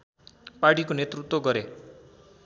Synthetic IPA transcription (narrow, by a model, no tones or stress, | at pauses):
paʈikonet̪rut̪woɡʌɾe